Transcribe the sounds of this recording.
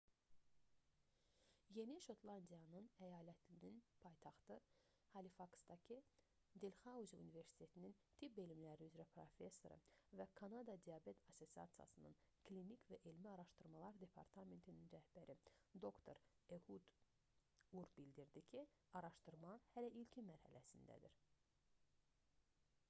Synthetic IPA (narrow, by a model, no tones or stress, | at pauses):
je̞niʃo̞t̪ʰlˠɑnd̪ijɑnɯnæjɑːlæt̪ʰininpʰɑjt̪ʰɑχt̪ɯ | hɑlifɑksd̪ɑcʰi | d̪elχɑuzṵnive̞ɾsi̥t̪ʰe̞t̪ʰinint̪ʰipelimlæɾiyzɾæpʰɾo̞̰fe̞sːo̞ɾɯ̰vækʰɑnɑd̪ɑd̪ijɑbe̞t̪ɑso̞siɑ̰t̪sijɑ̰sɯnɯ̰nkʰlinikvæʔelmiɑɾɑʃt̪ɯɾmɑlˠɑɾd̪e̞pʰɑ̰ɾt̪ʰɑme̞nt̪ʰininɾæhb̥æɾid̪o̞kt̪ʰo̞ɾ | ehud̪ | uɾbild̪iɾd̪icʰi | ɑɾɑʃt̪ɯɾmɑhælæʔilcʰimæɾhæ̰læsind̪æ̰d̪iɾ